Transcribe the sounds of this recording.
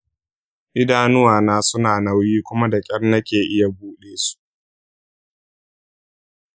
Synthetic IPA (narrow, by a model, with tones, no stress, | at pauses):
ʔɪ˦daː˦nʊ˦waː˨naː˦sʊ˦naː˨na˦wjiː˦kʷʊ˦ma˦da˨kʲʼɐ˦rnɐ˦kʲeː˨ʔɪ˦ja˨buː˦ɗeː˦su̥˦ʔ